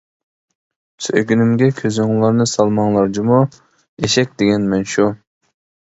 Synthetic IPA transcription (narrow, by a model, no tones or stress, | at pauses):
søɡʲynymɡʲɛkʲʰøzɪŋlˠɑɾnɨsɑlˠmɑŋlˠɑɾd̪ɨmu | eʃɛk̚ʲd̪eɡʲɛnmɛnʃu